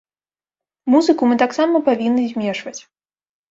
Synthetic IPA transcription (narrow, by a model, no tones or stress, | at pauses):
muzɨkumɨt̪aksamɐpavʲinːɨzʲmʲɛʂvɐt͡sʲ